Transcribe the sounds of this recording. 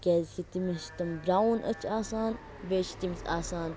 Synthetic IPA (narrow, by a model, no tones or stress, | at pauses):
keːzkit̪imiʃt̪ɐmbɾaːwnʔɐ̰t͡ʃʰaːsaːn | ʋeːt͡ʃi̥t̪imisaːsaːn